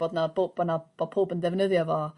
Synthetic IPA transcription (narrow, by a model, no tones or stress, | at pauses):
odnabobbanab̥ɔpʰoːbəndɛvnəðjɔvɔ